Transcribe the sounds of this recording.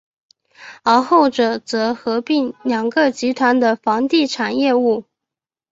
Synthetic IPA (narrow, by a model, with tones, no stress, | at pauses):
ə˞˧˥xo˥˩ʊʈ͡ʂɤ˨˩t͡sɤ˧˥xɤ˧˥pi˥˩ŋljɑ˨˩ŋɡə˧t͡ɕi˧˥t̪ʰwa˧˥nd̪ə˧fɑ˧˥ŋt̪i˥˩ʈ͡ʂʰa˨˩njɛ˥˧u˥˩